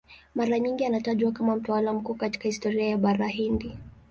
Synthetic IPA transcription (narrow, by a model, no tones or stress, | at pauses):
maɾaɲiŋɡianataʄwakamam̩tawalam̩kuːkati̥kahistɔɾiajaɓaɾaɦindi